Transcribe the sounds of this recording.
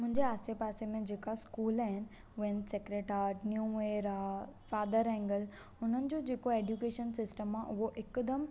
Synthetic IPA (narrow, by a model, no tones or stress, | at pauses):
mʊ̃ɦɪɲd͡ʑeaːsepaːsemẽd͡ʑeːkaskuːlaːɦɪnɪ̆ | ʊʋənsekɾeʈaːɾnjuːʋeːɾafaːd̪əɾɛ̃ŋɡəl | ʊn̤ənɪ̆d͡ʑod͡ʑeːkoeːɖjukeːʃənsɪsʈəmaʔʊɦoʔɪkd̪əm